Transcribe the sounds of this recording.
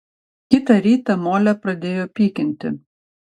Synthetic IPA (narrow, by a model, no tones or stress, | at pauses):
kʲɪt̪ɐɾʲiːt̪ɐmoːlʲɛpɾɐd̪ʲeːjoːpʲiːkʲɪnʲt̪ʲɪ̰